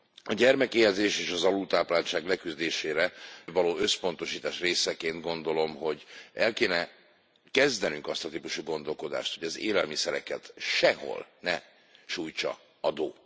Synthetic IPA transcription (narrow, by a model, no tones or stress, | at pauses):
ɒɟɛrmɛkeːjɛzeːʃeːʃɒzɒluːt̪aːplaːlt͡ʃaːɡlɛkyzd̪eːʃeːɾɛvɒloːøspo̞nt̪o̞ʃiːt̪aːʃreːsɛkeːnd̪ɡo̞nd̪o̞lo̞mɦo̞ɟɛlkeːnɛ | kɛzd̪ɛnyŋkɒst̪ɒt̪iːpuʃuɡo̞nd̪o̞lko̞d̪a̰ːʃt̪ho̞ɟɒzḛːlɛlmisɛɾɛkɛt̪ʃɛɦo̞̰lnɛ | ʃuːjt͡ʃɒ̰ | ɒd̪o̰ː